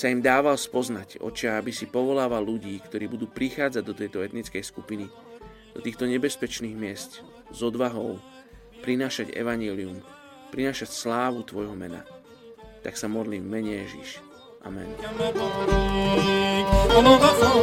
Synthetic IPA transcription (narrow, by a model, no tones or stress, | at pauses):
saimd̪aːʋalspɔznaɟɔ̰t͡ʃɪaabisipɔʋɔlaːʋalːuɟiːkt̪ɔɾiːbud̪uːpɾixaːd͡zaɟd̪ɔt̪ɛjt̪ɔɛt̪nit͡skɛjskupini | d̪ɔt̪iːxt̪ɔɲɛbɛspɛt͡ʃniːɣmɪɛsc | zɔd̪ʋaɦɔʊ | pɾinaːʃaɟɛ̰ʋaɲɛlium | pɾinaːʃacslaːʋut̪ʋɔjɦɔmɛ̰na̰ | t̪aksamɔd̪limmɛɲɛjɛʒḭʃ | ʔa̰mɛ̰n